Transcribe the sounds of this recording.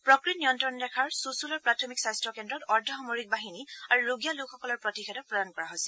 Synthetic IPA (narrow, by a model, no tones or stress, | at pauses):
pɹɔkɹitnijɔntɔndɛkʰaɹsusulɔɹpɹatʰɔmiksajstɹɔkɛndɹɔtɔɹdʱɔxɔmoɹik̚baɦiniaɹuɹuɡijalukʰxɔkɔlɔɹpɹɔtixɛdɔt̚pɹɔdankɔɹaɦojsɛl